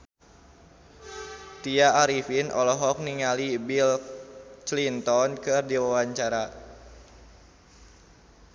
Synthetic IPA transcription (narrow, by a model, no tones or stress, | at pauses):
t̪iaːɾifinʔɔ̰lɔɦɔk̚niŋalibil | t͡ʃlint̪ɔnkɨrdiwawaɲt͡ʃaɾa